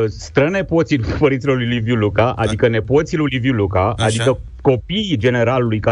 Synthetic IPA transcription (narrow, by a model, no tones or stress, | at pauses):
sst̪ɾəne̞po̞t̪sid̪uppəɾint̪silo̞rlujlivjulukaʔa̰d̪ikəne̞po̞t̪silulivjulukaʔad̪ikə | ko̞pijd͡ʒe̞ne̞ɾalulujka